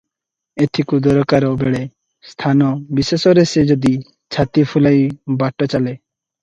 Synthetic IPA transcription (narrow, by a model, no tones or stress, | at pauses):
et̪ʰikud̪ɔɾɔkaɾɔbeɭe | st̪ʰanɔbisesɔɾesed͡ʒod̪i | t͡ʃʰat̪ifʰulajbaʈɔt͡ɕale